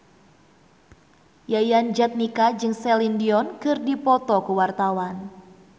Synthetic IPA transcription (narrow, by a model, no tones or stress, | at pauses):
jajand͡ʒat̪̚nikad͡ʒɨŋsɛlindiɔnkɨrdipɔt̪ɔkəwart̪awan